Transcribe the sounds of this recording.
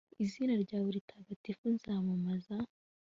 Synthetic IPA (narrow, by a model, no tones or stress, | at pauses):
iziːnaɾɟaːβuɾitʰaɡatifunzaːmamaza